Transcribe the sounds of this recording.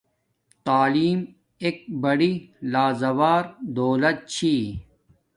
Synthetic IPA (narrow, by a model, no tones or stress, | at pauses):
t̪aːliːm | eːk̚bɐɽilaːzɐwaːɾd̪oːlɐt̪̚t͡ɕʰiː